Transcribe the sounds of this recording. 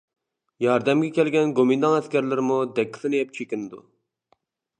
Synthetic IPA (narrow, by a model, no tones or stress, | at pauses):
jɑɾd̪ɛmɡʲɛkʲɛlɡʲɛnɡomɪnd̪ɑŋɛskʲɛɾlɪɾɪmud̪ɛkʲʰːi̥sɪnɨjɛp̚t͡ʃʰekʲinɪd̪ṵ